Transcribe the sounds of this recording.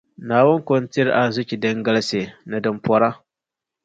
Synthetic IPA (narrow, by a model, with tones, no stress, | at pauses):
naː˨wʊ˦nkɔ˦ntɪ˦ɾʔa˨zʊ˦kʲi˨dɛ˦ŋɡa˦lse˨nɨ˨dɨ˨mpɔ˦ɾa˦